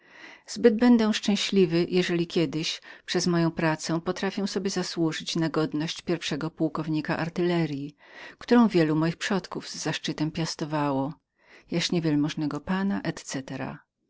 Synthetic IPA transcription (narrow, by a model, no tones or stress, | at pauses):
z̥bɘd̪̚bɛnd̪ɛw̃ʂt͡ʂɛ̃ɕlʲivɘjʔɛʐɛlʲikʲjɛd̪ɘɕpʂɛzmɔjɔ̃w̃pɾat̪sɛ̃pɔt̪ɾafʲɛw̃sɔbʲjɛzaswuʐɘt͡ɕnaɡɔd̪nɔɕt͡ɕpʲjɛɾfʂɛɡɔpuwkɔvɲikaʔaɾt̪ɘlɛɾjikt̪uɾɔ̃w̃vʲjɛlumɔjixpʂɔt̪kuvzːaʂt͡ʂɘt̪ɛmpʲjast̪ɔvawɔ | jaʂɲɛvʲjɛlmɔʐnɛɡɔpanaʔɛt̪t̪sɛt̪ɛɾa̰